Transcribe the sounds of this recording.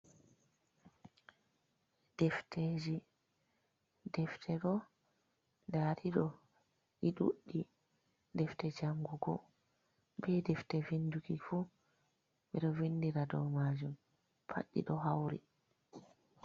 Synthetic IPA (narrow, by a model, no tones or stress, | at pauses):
d̥ɛftʰeːd͡ʒi | dɛftʰɛɗɔ | daːɾiɗɔ | iɗṵɗːi | dɛftɛd͡ʒaŋɡuɡɔ | bɛdɛftɛvinduɡifu | ɓɛɗɔvindiɾadɔ̰maːd͡ʒum | pʰa̰ɗːḭɗɔɦawɾḭ